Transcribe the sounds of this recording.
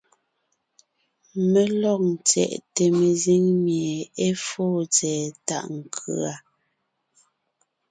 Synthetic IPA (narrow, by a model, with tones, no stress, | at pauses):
me˨lɔ˦˨ŋ˨t͡sɛ̰˨ʔte˨me˨zi˦ŋmje˨e˦foː˦˨t͡sɛː˨ta̰˨ʔŋ̩˨kʰʉ̰˨a˨